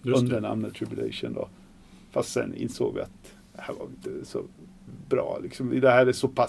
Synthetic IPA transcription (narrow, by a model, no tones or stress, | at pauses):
ɵnd̪əɳa̰mnəd̪t̪ʰɾɪbjʉlɛ̰ɪʂənd̪o̰ | fast̪sɛ̰nɪ̰nsoːɡvɪ̰at̪ | d̪̥ɛhæːɾva̰vɪɪnt̪əsɔ | bɾɑːlɪksɔmɪd̪ɛhæːɾɛsɔpʰa